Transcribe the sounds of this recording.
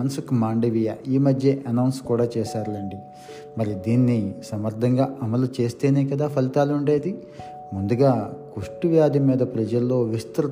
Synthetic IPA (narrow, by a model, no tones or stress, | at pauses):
ɐnsukmaːɳɖiʋija̰ʔiːmɐd̪ʱjɐʔɐnɐwnskuːɽaːt͡ʃɛːʃaːɾlɐɳɖi | mɐɾid̪iːnːisɐmɐɾd̪ʱɐŋɡaːʔɐmɐlut͡ʃe̞ːst̪e̞ːneːkɐd̪aːpʰɐlit̪aːluɳɖe̞ːd̪i | mund̪uɡaːkuʂʈuʋjaːd̪imiːd̪ɐpɾɐd͡ʒɐlːo̞ːʋist̪ɾu